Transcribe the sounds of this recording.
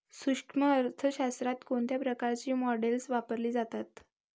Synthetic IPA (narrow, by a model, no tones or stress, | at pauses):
suʂʈʰməəɾt̪ʰəɕast̪ɾat̪koɳt̪japɾəkaɾt͡ɕiːmɔɖelsʋapəɾliːd͡zat̪at̪